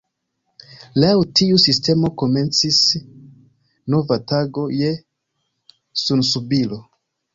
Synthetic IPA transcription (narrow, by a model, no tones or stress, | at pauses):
lawtiusiste̞mo̞ko̞me̞nt͡sis | no̞vataɡo̞je̞ | sunsubilo̞